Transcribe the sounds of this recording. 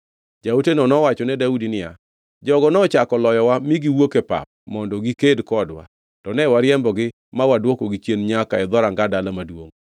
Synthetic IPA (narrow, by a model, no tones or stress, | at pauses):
d͡ʒautenɔnɔwat͡ʃɔnɛdaudinɪja̰ | d͡ʒɔɡɔnɔt͡ʃakɔlɔjɔwamɪɡiwokepa̰p̚mɔndɔɡikedkɔdwa̰ | tɔnɛwaɾjɛmbɔɡɪ | mawadwokoɡit͡ʃjenɲakaɛd̪ɔɾaŋɡadalamadwo̰ŋ